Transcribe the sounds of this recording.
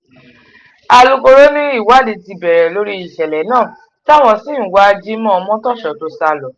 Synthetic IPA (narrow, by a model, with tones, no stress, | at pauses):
a˧lu˧ko˧ɾo˦nĩ˦i˦˨wa˦˨di˨ti˧bɛ˨ɾɛ˨lo˦ɾi˦i˨ʃɛ˨lɛ˨˦nãː˦˨ | ta˦˨w̃ɔ̃˧si˦ũ˨wa˦˧d͡ʒi˦mɔ̃˦ɔ˧mɔ̃˦tɔ˦˨ʃɔ˨to˨˧sa˧lɔ˨˦